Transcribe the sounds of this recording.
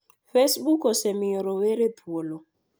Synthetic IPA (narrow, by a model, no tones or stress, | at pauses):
fesɓukɔsɛmiɔɾɔweɾepʰuolɔ